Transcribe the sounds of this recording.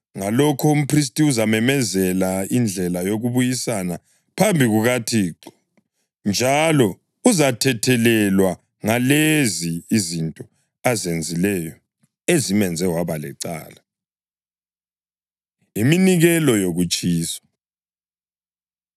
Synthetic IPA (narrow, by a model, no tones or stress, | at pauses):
ŋalɔkʰɔum̩pʰris̬tʼiuzamɛmɛzɛlaind͡ɮʱɛlajoɣuβujisana | pʰambʱiɣuɣatʰiːǁɔ | nd͡ʒʱalɔ | uzatʰɛtʰɛlɛlwa | ŋaleziːzintʼɔ | azend͡zʱilɛjɔ | ezimɛnd͡zʱɛɦwaβalɛ̰ǀa̰ːla | iminiɣɛlɔjoɣut͡ʃʼiːsɔ̥